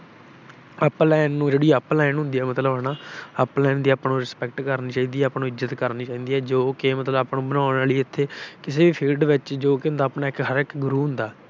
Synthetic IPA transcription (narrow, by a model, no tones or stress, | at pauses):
əplɛːnːũːd͡ʒeːɽiːəplɛːnɦʊ̃nd̪iːɛːmət̪ləbənãːəplɛːnd̪iːapnũːɾɪspɛk̚ʈkəɾniːt͡ʃaːiːd̪iːɛːəpnũːɪzət̪kəɾniːt͡ʃaːiːd̪iːɛːd͡ʒoːkeːmət̪ləbaːpnũːbənãːʊnaːliɪt̪ʰːeːkɪseːʋiːpʰiːlɖʋɪt͡ʃd͡ʒoːkɪʊ̃nd̪aːpnaːɪkɦəɾɪkɡʊɾuːɦʊ̃nd̪aː